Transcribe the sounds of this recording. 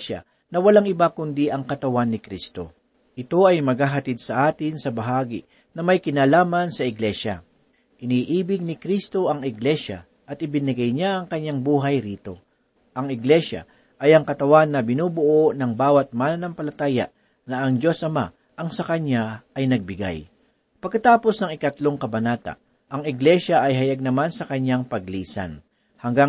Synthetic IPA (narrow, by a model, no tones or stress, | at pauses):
ʃa̰ | nɐwɐlaŋɪbakʊnd̪iʔɐŋkɐt̪ɐwanːɪkɾist̪o̞̰ | ʔɪt̪o̞ɐjmɐɡaɦɐt̪id̪̚sɐʔaːt̪ɪnsɐbɐɦaːɡɪ̰ | nɐmɐjkɪnaːlaːmɐnsɐɪɡlɛʃɐ̰ | ʔɪniːʔiːbɪɡ̚nɪkɾist̪o̞ʔɐŋɪɡlɛʃa̰ | ʔɐt̪̚ɪbɪnɪɡɐjɲaʔɐŋkɐɲaŋbuːɦɐjɾiːt̪o̞ | ʔɐŋɪɡlɛʃa̰ | ʔɐjɐŋkɐt̪ɐwanːɐbɪnuːbʊʔonɐŋbaːwɐt̪̚maːnɐnɐmpɐlɐt̪aːjɐ̰ʔ | nɐʔɐŋd͡ʒo̞sʔɐma̰ | ʔɐŋsɐkɐɲaɐjnɐɡ̚bɪɡa̰j | pɐɡ̚kːɐt̪aːpo̞snɐŋɪkɐt̪lo̞ŋkɐbɐnaːt̪a̰ | ʔɐŋɪɡlɛʃɐʔɐjɦɐjaɡ̚nɐmansɐkɐɲːaŋpɐɡ̚liːsɐ̰n | hɐŋɡaŋ